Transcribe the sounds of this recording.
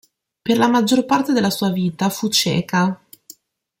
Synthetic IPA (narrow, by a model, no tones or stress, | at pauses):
perlamad͡ʒːorpart̪ed̪elːasuːaviːt̪afut͡ʃɛ̰ːka